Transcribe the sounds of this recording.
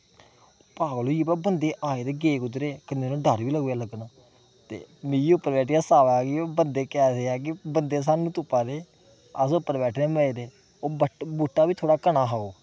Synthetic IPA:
paːɡloːipaːbənd̪eːʔaːeːd̪eːɡeːkʊt̪ɾeːkəneːnõːɖəɾʋiːləɡːaːləɡnaː | t̪ḛːmiiːʊpːəɾbɛːʈːjaːsaːʋaːkːbənd̪eːkɛːseːaːk̬ɪbənd̪eːs̬aːnũːt̪ʊpːaːd̪eː | əsʊpːəɾbɛːʈʰneːməeːd̪eː | oːbuʈːaːbiːt̪ʰoːɽaːkənaːɦaːoː

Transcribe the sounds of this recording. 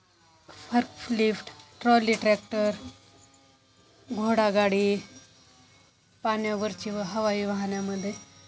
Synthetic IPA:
fʰəɾkflifʈʈɾɔlːiʈɾɛk̚ʈəɾ | ɡʱoɽaɡaɽiː | panjaʋəɾt͡ɕiɦəʋaiːʋəɦɳjaməd̪ʱːje

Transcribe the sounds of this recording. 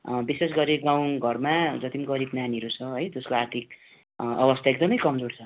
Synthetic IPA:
bises̬ɡʌɾiɡaw̃ɡʱʌrmad͡zʌt̪imɡʌɾibnaniɾut͡sʰʌɦʌjd͡zʌskoart̪ʰik̚ | ʌbʌst̪ʰaek̚d̪ʌmʌjkʌmd͡zort͡sʰʌ

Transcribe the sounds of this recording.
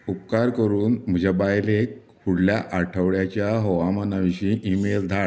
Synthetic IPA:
up̚kaɾkəɾuːnm̤əd͡ʑʱabajlekʰ | uɽljaʔaʈʰəʋɭjat͡ɕjaɦɔʋamanaʋiɕĩʔimeld̪ʱaɭ

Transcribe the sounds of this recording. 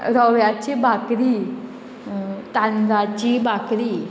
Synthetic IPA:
ɾɔʋjat͡ɕibakɾi | t̪and͡zat͡ɕibakɾi

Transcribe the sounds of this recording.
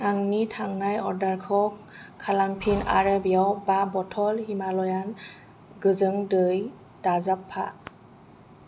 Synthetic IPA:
aŋnitʰaŋnajɔɹdaɹkʰɔk | kʰːalampʰina̰ɾabijawbabɔtʰɔlhimalɔjan | ɡɯzɯŋdɯj | d̥azapʰːa̰

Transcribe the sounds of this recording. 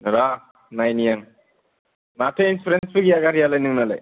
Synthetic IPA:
ɾa | najnijaŋ | natʰeinspɾensbɯɡiaɡaɾijalajnɯŋnala̰j

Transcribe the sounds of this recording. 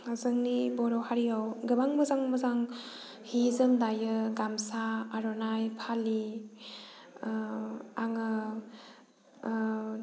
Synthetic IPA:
azɯŋnibɔɾɔwhaɾiawɡɯbaŋmɯzaŋmɯzaŋ | hizɯmdajɯɡamsaaɾɔnajpʰali | aŋɯ

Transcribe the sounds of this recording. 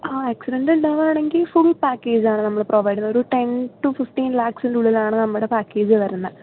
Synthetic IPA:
aːaksiɖɐɳɖuɳɖaːʋaːɳeŋɡilfuɭpaːkːe̞ːd͡ʑaːɳɨnɐmːɐɭprʔoːʋɐjɽunːɐoɾuʈenʈufifʈiːnlaːksinɖuɭːilaːɳɨnɐmːuɽe̞paːkːe̞ːd͡ʑɨʋɐɾunːɐ

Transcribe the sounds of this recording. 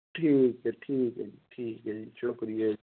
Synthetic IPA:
ʈʰiːkɛʈʰiːkɛʈʰiːkɛit͡ʃʰokɾie

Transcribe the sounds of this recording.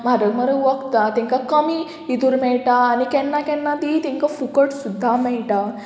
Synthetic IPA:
maɾəɡməɾəʋəɡt̪at̪ɛ̃ŋkakəmi | id̪uɾmɛɭʈaːnikɛ̃nːakɛ̃nːad̪it̪ɛ̃ŋkafukəʈsud̪ʱːamɛɭʈa

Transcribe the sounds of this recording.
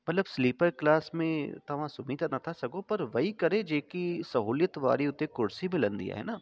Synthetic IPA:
mɐt̪ləbsliːpəɾklaːsmẽt̪ɐʋãsʊmid̪anɐt̪ʰasɐɡõpɐɾʋɐɦikɐɾẽd͡ʒeːkisɐɦuːljət̪ʋa̰ːɾiʊt̪ekʊɾsimẽlɐ̃nd̪ḭja̰ɦɛ̰ːnaː

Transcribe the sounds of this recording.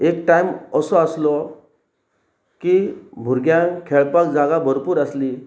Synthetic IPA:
ekʈaiməsɔaslɔ | kibʱuɾɡjãŋkʰeɭpak̚d͡zaɡabʱəɾpuːɾasli

